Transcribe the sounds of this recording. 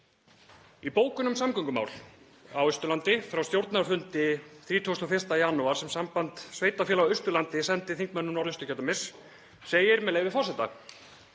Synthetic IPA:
ipoːwkʏnʏmsamkœŋkʏma̰wl | awʏst̪ʏlant̪ɪfɾawst̪jowɾt̪naɾfʏnt̪ɪθɾiːt̪ʰuwst̪ɔfɪr̥t̪ajaːnuaɾ̥sɛmsampant̪sveːjt̪afjɛlawʏst̪ʏlant̪ɪsɛnt̪ɪθiŋkmɛnːʏnaɾʏst̪ʏ̥kcɛt̪amɪs | seːjɪɾmɛðleːjvɪfɔrsɛt̪a̰

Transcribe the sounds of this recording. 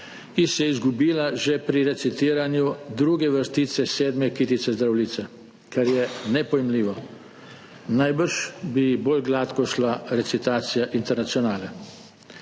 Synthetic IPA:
isjɛizɡubiːlaʒɛpɾiɾɛt̪sit̪iːɾanjud̪ɾuːɡɛʋəɾst̪iːt̪sɛseːd̪mɛkiːt̪it̪sɛzd̪ɾawliːt̪sɛ | kaɾjɛnɛpɔjɛmliːʋɔ | najbəɾʃbiboːlɡlaːt̪kɔʃlaɾɛt̪sit̪aːt̪sijaʔint̪ɛɾnat̪siɔnaːlɛ

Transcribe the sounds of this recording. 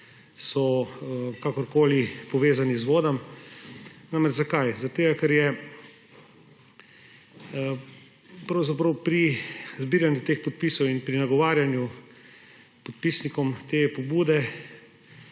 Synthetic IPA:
sɔ | kakɔɾkoːlipɔʋeːzanizʋoːd̪am | namɛd͡ʒzakajzat̪eːɡakɛɾjɛ | pɾɐwzapɾɐwpɾizbiːɾanjut̪expɔt̪̚piːsɔwinpɾinaɡɔʋaːɾjanju | pɔt̪̚pisnikɔmt̪eːpɔbuːd̪ɛ

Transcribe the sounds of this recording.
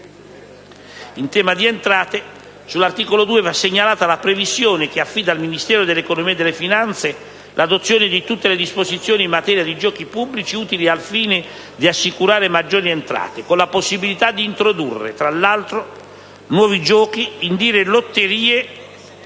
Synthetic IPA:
int̪ɛːmad̪ient̪ɾaːt̪e | sulːart̪iːkolod̪uːevasːeɲːalaːt̪alapɾevisjoːnek̟eafːid̪alminist̪ɛːɾod̪elːekonomiːed̪elːefinant̪se | lʔad̪ot̪sːjoːnɪd̪it̪ut̪ːeled̪ispozit̪sːjoːniːmːat̪ɛːɾjad̪id͡ʒɔːkipubːlit͡ʃiuːt̪ilialfiːne | d̪iasːikuɾaːɾemad͡ʒːoːɾient̪ɾa̰ːt̪ekonlaposːibilit̪ad̪ːiːnt̪ɾod̪urːḛt̪ɾalːalt̪ɾo | nwɔːvid͡ʒɔːk̟iːnd̪iːɾelot̪ːeɾiːe

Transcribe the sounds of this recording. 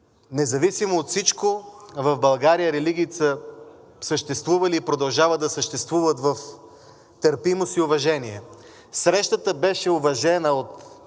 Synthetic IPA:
nɛzɐvisimoːt̪fsit͡ʃkovɐvbɐlˠɡaɾijəɾɛliɡʲiːt̪sə | səʃt̪ɛst̪vuvɐliːpɾod̪ɐlˠʒavəd̪ɐsəʃt̪ɛst̪vuvət̪vɐf | t̪əɾpimosiʊvɐʒɛniɛ | sɾɛʃt̪ət̪əbɛʃɛʊvɐʒɛnəot̪

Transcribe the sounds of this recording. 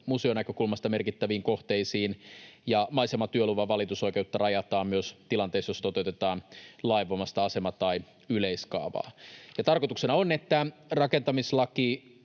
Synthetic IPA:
museo̞nækøkulmɑst̪ɑme̞rkit̪ːæʋiːŋko̞ht̪eisiːnjɑmɑisemɑt̪yøluʋɑʋɑlit̪uso̞ike̞ut̪ːɑrɑjɑt̪ɑːmmyøst̪ilɑnt̪eːsjost̪o̞t̪ewt̪et̪ɑːnlɑiʋomɑst̪ɑɑse̞mɑt̪ɑi | yleiskɑ̰ːʋɑ̰ːjɑt̪ɑrkot̪uksenɑonet̪ːærɑkent̪ɑmislɑki

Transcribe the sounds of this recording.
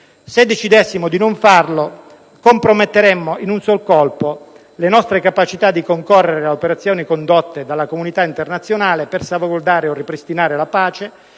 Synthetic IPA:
sed̪ːet͡ʃid̪ɛsːimod̪inoɱfarlo | kompɾomet̪ːeɾɛmːoinunsolkɔlpo | lenɔst̪ɾekapat͡ʃit̪ad̪ːikoŋkorːeɾeaopeɾat̪sjɔːnikond̪ot̪ːed̪alːakomunit̪aint̪ernat̪sːjonaːlepersavaɡord̪aːɾeorːipɾist̪inaːɾelapaːt͡ʃe

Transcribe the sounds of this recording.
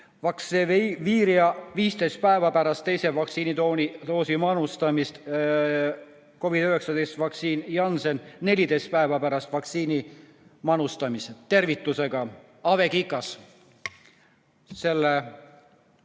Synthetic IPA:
vɑkseviːɾiɑviːst̪e̞jst̪̚pæevɑpæɾɑst̪ːe̞jse̞vɑkt̪siːnit̪onit̪o̞ːsimɑnust̪ɑmist̪ | ko̞vid̪̥yɦe̞ksɑd̪ejst̪vɑk̪siːnjɑnsenne̞lʲid̪e̞jst̪pæevɑpæɾɑst̪vɑk̪siːni | mɑnust̪ɑmist̪e̞rvit̪ːˑuse̞ɡ̥ɑ | ɑve̞kikːˑɑs | se̞lːe

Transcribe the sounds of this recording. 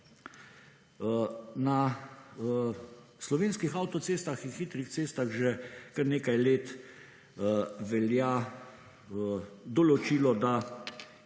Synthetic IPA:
na | slɔʋeːnskixawt̪ɔtseːst̪axinxit̪ɾixt̪seːst̪aɣʒɛkəɾneːkajleːt̪ | ʋɛlja | d̪ɔlɔt͡ʃiːlɔd̪a

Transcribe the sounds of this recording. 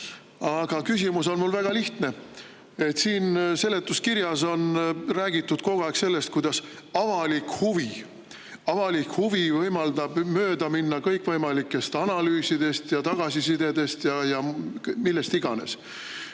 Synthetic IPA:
ɑɡ̥ɑkys̬ʲimuso̞nmulvæɡ̥ɑliht̪ne̞ | e̞t̪siːnse̞lːe̞t̪ːˑuskiɾjɑso̞nræːɡ̥it̪ːˑud̪̥ko̞ɡ̥oækse̞lːe̞st̪kujd̪̥ɑs | ɑvɑlikhuvi | ɑvɑlikhuvivɤjmɑld̪̥ɑb̥mø̞ːd̪̥ɑminːɑkɤjkːˑvɤjmɑlikːˑe̞st̪ɑnɑlyːsid̪̥e̞st̪jɑt̪ɑɡ̥ɑsisid̪̥e̞d̪̥e̞st̪jɑjɑmilːest̪iɡ̥ɑne̞̰s

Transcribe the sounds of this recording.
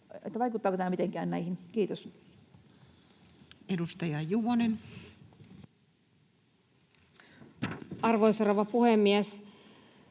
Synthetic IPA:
ḛt̪ːæʋɑikut̪ːɑːkot̪æmːæmit̪eŋkæːnnæihinkiːt̪os | edust̪ɑjɑjuʋonen | ɑrʋoisoroʋɑpuhemːies

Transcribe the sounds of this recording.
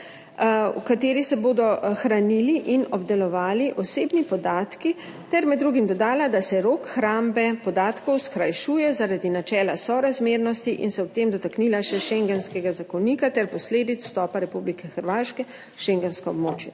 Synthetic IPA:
w̰kat̪eːɾisɛboːd̪ɔxɾaniliʔinɔbd̪ɛlɔʋaːliʔɔseːbnipɔd̪aːt̪ki | t̪ɛɾmɛd̪d̪ːɾuːɡimd̪ɔd̪aːlad̪asɛɾoːkxɾambɛpɔd̪aːt̪kɔwskɾajʃuːjɛzaɾad̪inat͡ʃɛːlasɔɾazmeːɾnɔst̪iʔḭnsɛɔpt̪eːmd̪ɔt̪aknilaʃɛʃɛŋɡɛnskɛɡazakɔniːkat̪ɛɾpɔsleːd̪it̪t͡ssːt̪ɔːpaɾɛpublikɛxəɾʋaːʃkɛ | ʃɛŋɡɛnskɔɔbmoːt͡ʃjɛ

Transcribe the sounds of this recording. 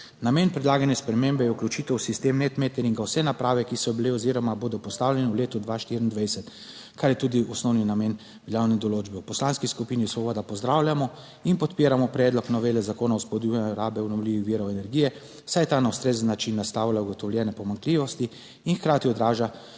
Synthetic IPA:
nameːnpɾɛd̪laːɡanjɛspɾɛmembɛjɛuklut͡ʃit̪ɛwsist̪emnɛt̪met̪ɛɾiŋɡawsɛnapɾaːʋɛkisɔbileɔziːɾɔmaboːd̪ɔpɔst̪aːwljɛnɛwleːt̪ɔd̪ʋaʃt̪iɾind̪ʋɛjsɛt̪ | kʰaɾjɛt̪ud̪iɔsnɔwninameːn | biljawnɛd̪ɔloːd͡ʒbɛwpɔslaːnskiskupiːnisʋɔbɔːd̪apɔzd̪ɾaːwlʲjamɔ | inpɔt̪peːɾamɔpɾɛːd̪lɔknɔʋeːlɛzakoːnawspɔd̪uɾaːbɛwnɔwliʋixʋiɾɔwɛnɛɾɡijɛ | sajt̪aːnawst̪ɾeːzənːat͡ʃinːast̪aːwlauɡɔt̪ɔwlʲjɛːnɛpɔmaŋkliʋɔst̪i | inxkɾaːt̪iɔd̪ɾaːʒa

